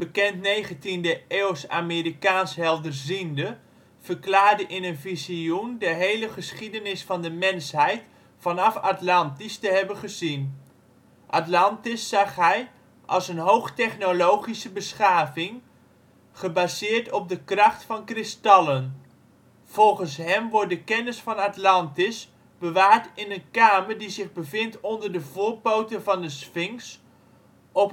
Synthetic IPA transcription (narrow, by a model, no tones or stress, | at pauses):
b̥əkɛntnejχəntindəeːwsaːmiːɾikaːnsɦɛlˠdərzində | v̥əɹklaːɹdəʔɪnənviziundəɦejləχəsχidənɪsfɑndəmɛnsɦɛjt | fɑnɑfatlɑntistəɦɛbəχəzin | ʔatlɑntɪsːɑχɦɛj | ʔɑ̰lˠsənɦowχtɛχnolowχisəbəsχaːvɪŋ | χəbaːzɪːɹtɔb̚dəkrɑχtfɑnkrɪstɑlˠən | v̥ɔlˠχənsɦɛmʋɔɹtdəkɛnɪsfɑnatlɑntɪs | b̥əʋaːɹtɪnənkaːməɹdizɪχbəvɪntɔndəɹdəvʊːɹpowtənvɑndəsfɪŋs | ɔp